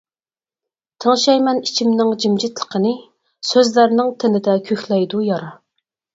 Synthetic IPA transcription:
t̪ʰəŋʃɛjmɛnit͡ʃʰimnɪŋd͡ʒimd͡ʒit̪lˠə̥qʰənɨ | søzlæɾnɪŋt̪ʰɪnɪd̪ɛkʲʰøxlɛjd̪ujɑɾɑ

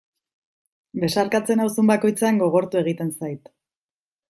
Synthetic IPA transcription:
be̞saɾkat͡se̞nawsumbako̞jt͡seaŋɡo̞ɣ̞o̞ɾt̪ue̞ɣ̞it̪e̞nsajt̪

